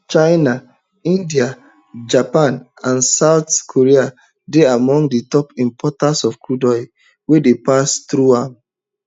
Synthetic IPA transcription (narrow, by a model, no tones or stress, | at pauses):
t͡ʃaɪna | ĩndia | d͡ʒapãn | ãnsaʊtkʰoɹia | deamɔ̃ŋɡditɔpĩmpʰɔtasɔfkʰudɔɪ | wedepastɾuãm